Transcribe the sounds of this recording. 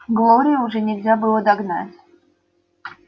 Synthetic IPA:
ɡlˠoɾʲɪjəʊʐɛnʲɪlʲzʲabɨlˠəd̪aɡna̰tʲ

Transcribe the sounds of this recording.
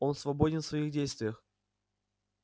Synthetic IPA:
o̞nsvɐbodʲɪnfsvɐiɣdʲejst̪vʲɪjəx

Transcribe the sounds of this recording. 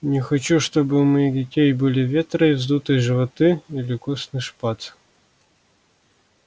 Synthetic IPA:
nʲɪxɐt͡ɕuʂt̪obɨmɐidʲɪtʲejbɨlʲɪvʲet̪ɾəivzd̪ut̪ɨjʐɨvɐt̪ɨilʲɪkusnɨʂpat̪

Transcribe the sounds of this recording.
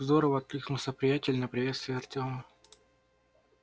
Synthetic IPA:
zd̪oɾəvəɐt̪̚kɨknʊlˠsʲəpɾʲɪjætʲɪlʲnəpɾʲɪvʲet̪st̪vʲɪːɐrtʲomə

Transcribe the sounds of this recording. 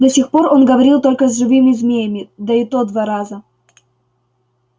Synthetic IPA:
d̪ɐsʲixpo̞ro̞nɡəvɐɾʲilˠt̪o̞lʲkəzʐɨvɨmʲɪzmʲejəmʲɪd̪əɪt̪od̪vaɾazə

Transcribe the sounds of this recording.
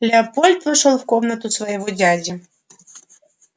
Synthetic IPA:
lʲɪɐpolʲt̪vɨʂolˠfkomnət̪ʊsvɐjɪvɔdʲadʲə

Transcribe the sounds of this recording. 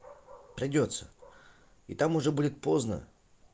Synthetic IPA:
pɾʲɪdʲo̞t̪sə | it̪amʊʐɛbudʲɪt̪̚poznə̰

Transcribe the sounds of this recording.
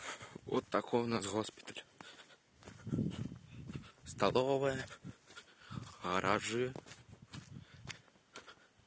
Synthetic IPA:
ɔ̰t̪ːakʰɔnazɣɔspʲi̥t̪ɐlʲ | st̪alˠɔvɨjɛ | ɣɐɾʔaʐɨ

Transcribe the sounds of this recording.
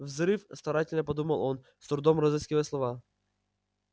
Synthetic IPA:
vzɾɨfst̪ɐɾatʲɛlʲnʲɛpɔd̪umalˠɔn | st̪ɾud̪ɔmɾɔzɛskʲivɛslˠɔva

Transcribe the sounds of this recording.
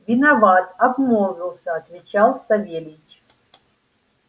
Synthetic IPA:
vʲinavat̪abmɔlˠvʲilˠsɐːt̪vʲit͡ʃʰalˠsavʲelʲit͡ʃʰ

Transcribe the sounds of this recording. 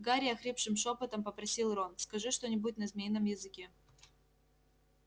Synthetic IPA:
ɡaɾʲɪjɐxɾʲepʂɨmʂopət̪əmpəpɾɐsʲilˠronskɐʐɨʂt̪onʲɪbuɪtʲnəzmʲejnəmjɪzɨkʲe

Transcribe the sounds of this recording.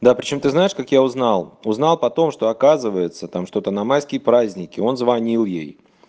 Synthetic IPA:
d̪apɾʲɪt͡ɕo̞mt̪ɨznajɪʂkakjaʊznɑlˠʊznɑlˠpɐt̪o̞mʂt̪oɐkazɨvəjɪt̪sət̪amʂt̪o̞t̪ənɐmaskʲɪjəpɾazʲnʲɪkʲɪo̞nzvɐnʲilˠjḛj

